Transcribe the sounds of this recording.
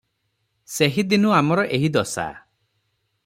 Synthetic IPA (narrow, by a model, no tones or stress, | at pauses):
seɦid̪inuamɔɾɔʔeɦid̪ɔsa̰